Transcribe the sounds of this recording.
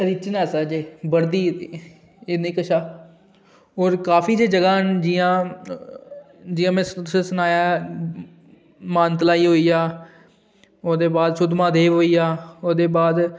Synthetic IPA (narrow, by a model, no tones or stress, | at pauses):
ɾɪt͡ʃnɛːsaːd͡ʒeːbəɾd̪iː | enĩːkəʃaː | oːɾkaːfiːd͡ʒeːd͡ʒəɡaːnd͡ʒiːãː | d͡ʒiːjãːmɛ̃ːʊsẽːsʊnaːjaː | maːnt̪əlaːiːɦoːiːaː | oːd̪eːbaːd̪ʃʊd̪mãːd̪eːʋɦoːiːaːoːd̪eːbaːd̪